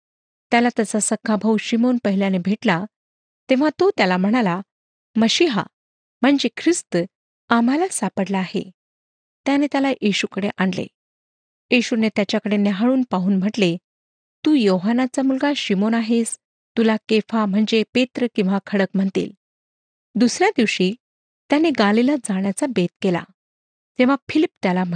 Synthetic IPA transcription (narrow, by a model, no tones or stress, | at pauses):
t̪jalat̪əsasəkʰːabʱawɕimonpəɦiljanebʱeʈla | t̪ẽʋ̤at̪ot̪jalam̤əɽ̃ala | məɕiɦa̰ | m̤əɳd͡zekʰɾist̪ə | am̤alasapəɽlaːɦḛ | t̪janet̪jalaʔiɕukəɽeʔaɳlḛ | jiɕunet̪jat͡ɕjakəɽeneɦaɭuːnpaɦuːnm̤əʈle | t̪uːjoɦanat͡samulɡaɕimonaɦes | t̪ulakefam̤əɳd͡zepet̪ɾəkĩw̃ʋakʰəɽəkm̤əɳt̪ḭːl | d̪usɾjad̪iʋɕiː | t̪janeɡalilad͡zaɳjat͡sabet̪̚kela̰ | t̪ẽʋafʰilipt̪jalam